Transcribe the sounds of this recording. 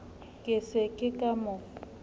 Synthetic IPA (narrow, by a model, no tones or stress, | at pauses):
kʼɪsɪkʼɪkʼamʊ